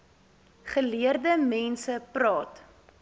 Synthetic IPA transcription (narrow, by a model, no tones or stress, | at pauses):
χəliərdəmɛnsəprɑːt